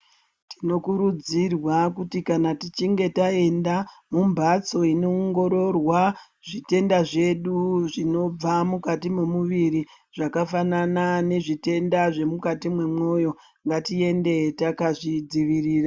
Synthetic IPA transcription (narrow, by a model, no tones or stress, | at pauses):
tino̞kuɾud͡zirwakutikanatit͡ʃiŋɡe̞tae̞ndamumbʱat͡so̞ino̞ːŋɡo̞ɾo̞rwa | ʐ̥ite̞ndaʐe̞ɗuʐino̞b͡vamukatimemuʋiɾi | ʐ̥akafananane̞ʐite̞ndaʐe̞mukatimwe̞mwo̞jo̞ | ŋɡatie̞nde̞takaʐid͡ziʋiriːra